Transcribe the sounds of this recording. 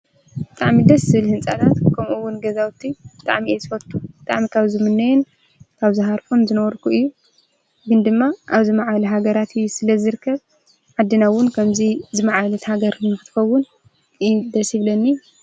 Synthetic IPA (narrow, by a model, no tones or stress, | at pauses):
bɨt̪ʼaʕmid̪ɐszɨβɨlhɨnt͡sʼat̪ʰat̪kʰɐmʔuwːʊnɡɐzawt̪ʰːibɨt̪ʼa̰ʕmiezɨfɐt̪ʼʰːubɨt̪ʼa̰ʕmikʰaβzɨmɨnːɐjɛn | kʰaβzɨɦaɾfonzɨnɐwɾkʰuɨjːu | ɡɨnd̪ɨmːaʔaβzimaʕaβluɦaɡɐɾat̪ʰɨjːusɨlɐzɨɾɨkʰːɐβ | ʕad̪ːɨnawːʊnkʰɐmzizɨmaʕaβlɐt̪haɡɐɾnɨxɨt̪ɨ̥xɐwːʊn | d̪ɐsjiβlɐnːi